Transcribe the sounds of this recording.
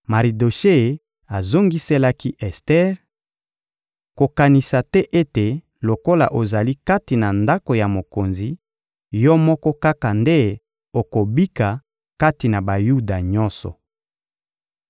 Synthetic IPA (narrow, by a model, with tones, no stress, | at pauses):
ma˨ʁi˨do˨ʃe˦˨ | a˨zo˦ŋɡi˦se˦la˦ki˦ʔɛ˨stɛ˦ʁ | ko˨ka˨ni˨sa˨tɛ˦ʔe˦te˨ | lo˨ko˦la̰˨ʔo˨za˨li˦ka˦ti˨na˨nda˦ko˨ja˨mo˨ko˨nzi˨ | jɔ˦mɔ˦kɔ˦ka˦ka˨nde˦ | o˨ko˨bi˦ka˨ | ka˦ti˨na˨ba˨ju˦da˨ɲɔ˦nsɔ̰˨